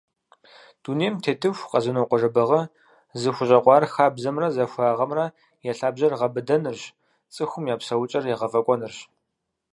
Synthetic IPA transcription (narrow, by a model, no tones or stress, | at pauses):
d̥uːneːmtʰeːtʰɨfʷqɐzɨnoqʷɔʐɐbɐʁɐ | zɨxʷʊɕʼɐqʷɑːrxaːbzɐmrɐzɐxʷaːʁɐmrɐ | jɛɬaːbʑɐrʁɐbɨdɐnɨrɕ | t͡sʼɨxʷʊmjaːpsɐwʊt͡ʃʼɐrjɛʁɐvɐkʷʼɔnɨrɕ